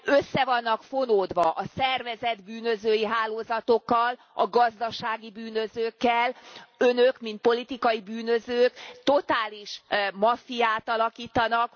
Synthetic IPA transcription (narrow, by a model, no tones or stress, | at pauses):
øsːɛvɒnːɒkfo̞noːd̪ʋɒʔɒsɛrvɛzɛd̪byːnø̞zøːjiɦaːloːzɒt̪o̞kːɒl | ɒɡɒzd̪ɒʃaːɡibyːnø̞zøːkːɛlønøkmint̪̚po̞lit̪ikɒjibyːnø̞zøːkt̪o̞t̪aːliʃmɒfijaːt̪ɒlɒkiːt̪ɒnɒk